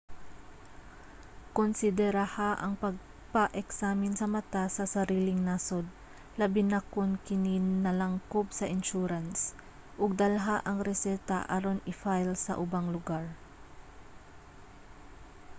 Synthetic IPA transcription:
konsɪd̪ɛɾahaʔɐŋpɐɡ̚ | pɐʔɛksaːmɪnsɐmɐt̪asɐsɐɾiːlɪŋnasod̪̚ | lɐbɪnɐkonkɪnɪnɐlɐŋkop̚sɐʔɪnʃuːɾɐns | ʔʊɡ̚d̪ɐlɦaʔɐŋɾɛsɛt̪a̰ʔɐɾonɪfajlsɐ̰ʔʊbaŋlʊɡaɹ

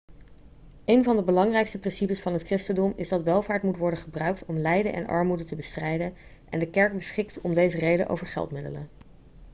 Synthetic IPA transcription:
ejnvɑndəbəlɑŋrɛjkstəprɪnsipəsfɑnɦətkrɪstəndɔmɪzdɑtʋɛlˠvaːɹtmutʋɔɹdəχəbrœɥk̚tɔmlɛjdənʔɛ̰nʔɑ̰ɹmudətəbəstrɛjdən | ʔɛndəkɛɹk̚bəsχɪktɔmdejzərejdənʔo̰wvəɹχɛ̰lˠtmɪdə̰lə̰n

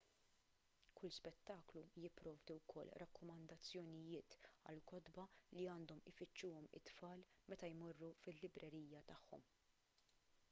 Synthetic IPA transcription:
kʰʊlspɛt̪ːɐːklujɪpːɾɔːvd̪uwkʰɔ̰lːɾɐkːɔmɐnd̪ɐt͡sːjɔnɪjɪːt̪ɐ̰lkɔd̪bɐliɐːnd̪ɔmɪfɪt͡ʃːuːɔmɪ̰t̪fɐːlmɛt̪ɐjmɔrːufɪlːɪbɾɛɾiːjɐt̪ɐħːɔ̰m

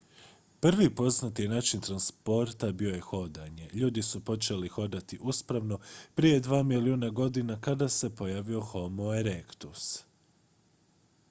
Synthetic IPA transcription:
pr̩ʋipo̞znat̪ijenaːt͡ʃint̪ɾanspo̞ɾt̪abio̞je̞xo̞d̪aɲe̞ʎuːd̪isupo̞t͡ʃe̞lixo̞d̪at̪iʔuspɾaʋno̞pɾije̞d̪ʋaːmiliuːnaɡo̞d̪inakad̪ase̞po̞jaːʋio̞xo̞moeɾekt̪us

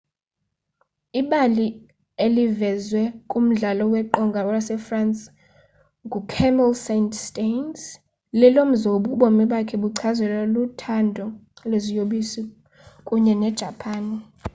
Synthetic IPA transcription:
iɓali | elivɛzwɛkʼum̩ɮalɔwɛǃɔŋɡʱaɔjasɛfransʼ | ŋɡʱukʰɛmɛlsenstʼens | lɛlom̩zoɓuɓomiɓakʰɛɓuǀʰazwɛlolutʰandʱɔlezijoɓisi | kʼuɲɛnɛd̥ʒ̥ʱapʰaːn

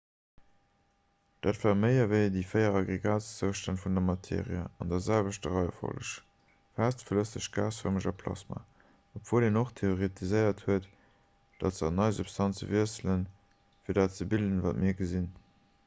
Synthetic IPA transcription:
d̥aːtv̥aːʁməɪɐvəɪdiːfəɪɐʁɑɡʁeɡaːtst͡səʊʃtɑnfundɐmɑtʰḛːʁiə̰ɑndɐzælvəʃtəʁɑɪɐfo̰lə̰ʃ | faːstfələsəʃɡ̥aːsfəʁməʒɑpʰlɑ̰sma̰ | opv̥oːleːnoχtʰeoʁitʰizəɪɐthuət | d̥ɑtzəɑnɑɪzupstʰɑnt͡sə̰viɐsələn | fiːɐdaːtt͡səbildənva̰ːtmiːɐɡəzin

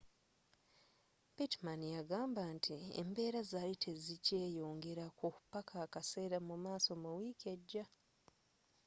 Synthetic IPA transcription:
pitmanjaɡaːmbantʰiḛmbe̞ːɾazalitʰe̞zice̞ːjo̞ːŋɡe̞ɾakukupakaːkase̞ːɾamumaːso̞muwiːke̞ɟːa

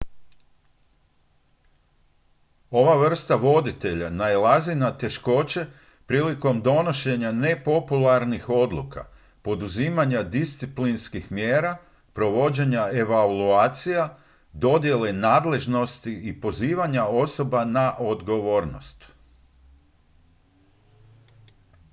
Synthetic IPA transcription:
o̞ʋaʋr̩st̪aʋo̞d̪it̪e̞ʎanajlˠazinat̪e̞ʃko̞t͡ɕe̞ | pɾiːliko̞md̪o̞no̞ʃe̞ɲane̞po̞pulaɾnixo̞d̪lṵka̰ | po̞d̪uziːmaɲad̪ist̪siplinskixmjeːɾa | pɾo̞ʋo̞d͡ʑe̞ɲae̞ʋaluaːt̪sija | d̪o̞d̪je̞le̞naːd̪le̞ʒno̞st̪iipo̞ziːʋaɲao̞so̞banaʔo̞d̪ɡo̞ʋo̞ːɾno̰st̪

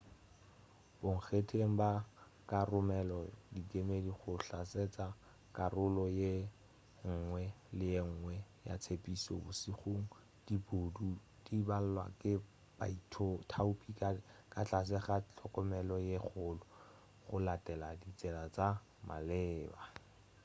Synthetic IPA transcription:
b̥ʊŋ̩χetʰeŋ̩ba | karʊmɛlɔdikemediχʊɬaset͡sa | kʼarʊlɔje | ŋ̩ːŋwɛ | lɪjeŋ̩ːŋwɛja̰t͡sʰepʼisɔ̰bʊsiχuŋ̩ | d̥ibodu | d̥ibal̩lwa̰kɪ | b̥aitʰtʰaʊpʼikakat͡ɬas̬ɛχat͡ɬʰɔkʼɔmɛlɔjeχʊlʊ | χʊlatɛladit͡sɛlat͡sa | ma̰lɪːba

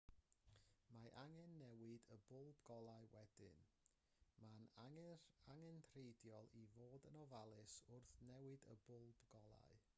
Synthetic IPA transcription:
maʔaŋɛnːɛwɨdəbʊlˠbɡ̥ɔlˠaɨwɛdɪ̰n | manaaŋɛntʰrejdjɔlˠivoːdənɔvalˠɨsʊrθnɛwɨdə̰bʊlˠbɡɔlˠa̰ɨ

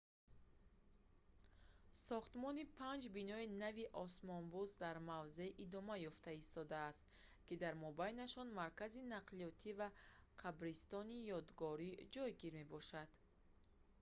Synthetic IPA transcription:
sɔχt̪mɔnipʰand͡ʒbinɔinaviʔɔsmɔnbuzd̪aɾmavze̞ʔid̪ɔmajɔft̪aist̪ɔd̪aːst̪̚ | kid̪aɾmɔbajnaʃɔnmaɾkazinaqliɔt̪ʰivaqʰabɾist̪ɔnijɔd̪ɡɔɾid͡ʒɔjɡiɾme̞bɔʃad̪̥

